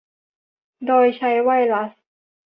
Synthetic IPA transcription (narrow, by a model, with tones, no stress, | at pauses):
doː˧jt͡ɕʰa˧˥jwa˥˩jla˦˥s